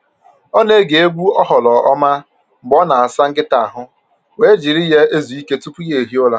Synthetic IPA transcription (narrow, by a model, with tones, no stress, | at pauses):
ɔ˦ne˦ɡe˨e˦ɡʷu˦ɔ˦ɦɔ˨lɔ˨ɔ˦ma˦ | ŋ͡m̩˨ɡ͡bɔ˦na˨a˨sa˦ŋ̩˦ɡɪ˦ta˨a˨ɦʊ˦ | we˨˦d͡ʒi˨ɾɪ˦je˦e˦zu˨i˦ke˦tu˦pu˦je˨ɦi˦ʊ˦la˦